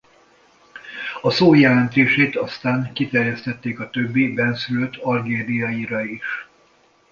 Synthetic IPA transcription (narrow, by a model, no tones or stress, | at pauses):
ɒsoːjɛlɛnt̪eːʃeːt̪ɒst̪aːŋkit̪ɛrjɛst̪ɛt̪ːeːkɒt̪øbːibɛnsyløt̪ʰɒrɡeːd̪ijɒiɾɒiʃ